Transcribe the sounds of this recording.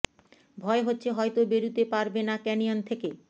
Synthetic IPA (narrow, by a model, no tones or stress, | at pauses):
bʱɔeɦotːɕʰeɦɔet̪obeɾut̪epaɾbenakɛniont̪ʰeke